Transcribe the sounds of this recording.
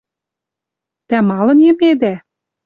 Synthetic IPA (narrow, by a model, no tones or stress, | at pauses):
t̪æmɑlɤ̆nemed̪æ